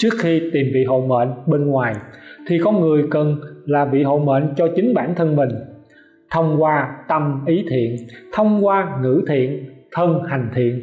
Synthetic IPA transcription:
t͡ɕɨ˦˥ək̚xi˧t̪i˨˩mvḭ˧˨ɦo̰˧˨mḛ˧˨nɓe˧nŋwaː˨˩jt̪ʰi˨˩kɔ˧nŋɨ˨˩əjkə˨˩nlaː˨˩vḭ˧˨ɦo̰˧˨mḛ˧˨nt͡ɕɔ˧t͡ɕï˨˦ŋ̟ɓaː˧˩nt̪ʰə˧nmï˨˩ŋ̟ | t̪ʰə˧wŋ͡mkwaː˧t̪ə˧mʔi˨˦t̪ʰḭ˧˨ənt̪ʰə˧wŋ͡mkwaː˧ŋɨ̰˧˥t̪ʰḭ˧˨ənt̪ʰə˧nha˨˩jŋ̟t̪ʰḭ˧˨ən

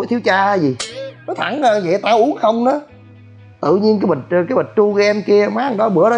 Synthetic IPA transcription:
jt̪ʰi˨˦əwt͡ɕaː˧˨˦jzi˨˩nɔ˨˦t̪ʰa˧˩˦ŋa˨˩ɲə̰˨t̪aː˧˩ʔu˨˦ənxə˧wŋ͡mnɔ˨˦ | t̪ɨ̰˧˨ɲi˧ənkaː˨˦mɓə˨˩t̚kaː˨˦jɓə˨˩t̟̚t͡ɕu˧ɣɛ˧nki˧əmaː˨˦˥ŋɗɔ˨˦ɓɨ˧˩əɗɔ˨˦

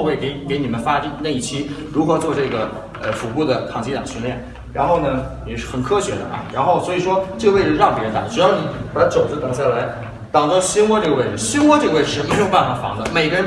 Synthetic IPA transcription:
we˥˩ɪke˧˥ɪke˧˥ɪni˨˩mə˦nfa˥ʈ͡ʂi˥˩na˥˧˩i˥˩t͡ɕʰi˥ɻu˧˥kwɔ˧˥˩t͡swɔ˥˧ʈ͡ʂɤ˥˩ɡə˩ | ə˧fu˧˥pu˥˩d̪ə˩kʰɑ˨˩ŋt͡ɕʰi˥t̪ɑ˨˩ŋɕy˥nljɛ˥˩n | ɻa˧˥nxo˥˩ʊnə˩jɛ˨˩ʂɻ̩˥˩xə˨˩nkʰɤ˥ɕɥɛ˧˥d̪ə̰˧ʔɐ̰˥˧ɻa˧˥nxo˥˩ʊswɔ˧˥i˨˩ʂwɔ˥ʈ͡ʂɤ˥˩ɡə˧we˥˩ɪʈ͡ʂ̩˩˧˥ɻɑ˥˩ŋpij̰ə˧˥nt̪ɑ̰˨˩ʈ͡ʂu˧˥jʊni˨˥pa˥ʈ͡ʂo˨˩ʊd͡zə˥t̪ɤ˨˩ŋɕ̬ja˥˩la˧˥ɪ | t̪ɑ˨˩ŋt̪ɑ˥˩ʊɕi˥nwɔ˥ʈ͡ʂɤ˥˩ɡə˧we˥˩ɪɻ̩˧˩˦ɕi˥nwɔ˥ʈ͡ʂɤ˥˧we˥˩ʂə˧˥mə˧˥o˥˧pa˥˧nfa˧˥˩fɑ̰˧˥ŋd̪ə˧me˨˩ɪɡə˧ɻə˧˥n

